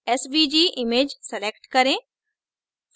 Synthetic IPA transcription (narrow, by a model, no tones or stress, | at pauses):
ɛsbid͡ʒiːʔɪmeːd͡ʒsɛlekʈkɐɾẽː